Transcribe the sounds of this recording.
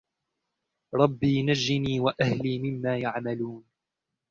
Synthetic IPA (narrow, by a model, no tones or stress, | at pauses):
ɾˤɑbːiːnad͡ʒːɪniːwaʔahliːmɪmːaːjaʕmaluːn